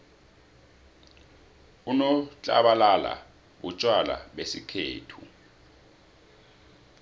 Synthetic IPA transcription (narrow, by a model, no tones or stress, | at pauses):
unɔt͡ɬʼa̰ɓalala̰ | ɓut͡ʃʼwala̰ɓesikʰḛːtʰu